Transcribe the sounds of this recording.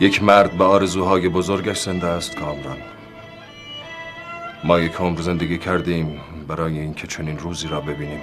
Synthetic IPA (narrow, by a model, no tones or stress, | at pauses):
jecʰmæɾd̪beɒːɾe̞zuːɦɒːje̞bozoɾɡæʃz̥end̪eæst̪ɡɒːmdɒn | mɒːje̞cʰomɾze̞nd̪eɡiːcʰæɾd̪iːmbæɾɒːjeiːncʰe̞t͡ʃʰoniːnɾuːziːɾɒːbe̞biːniːm